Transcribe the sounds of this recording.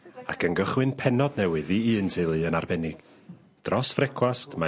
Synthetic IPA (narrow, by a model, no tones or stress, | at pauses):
a̰kʰənɡəχwɨnpʰɛnɔdnɛwɨðiɨːntʰejlˠɨənarbɛnɪɡ̥ | d̥rɔsfrɛkʰwastʰma